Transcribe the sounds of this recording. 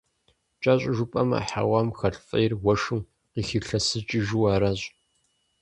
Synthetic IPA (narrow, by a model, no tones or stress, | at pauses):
t͡ʃʼaːɕʼɪʒʊpʼɐmɐ̰ħa̰waːmxɐɬfʼɐ̰jɪrwɐʂɨm | qiːxɨɬɐsɨt͡ʃʼiʒuwaːɾaːɕʼ